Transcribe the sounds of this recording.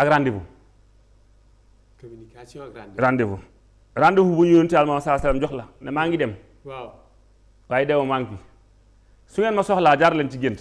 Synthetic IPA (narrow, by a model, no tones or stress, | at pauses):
akɾandibṵ | ɾandibṵ | ɾandifubuɲoontialmamasasalamd͡ʒoklanemaŋɡidem | kajidemomaŋki | suŋenmasohlad͡ʒaɾlent͡ʃiɡenti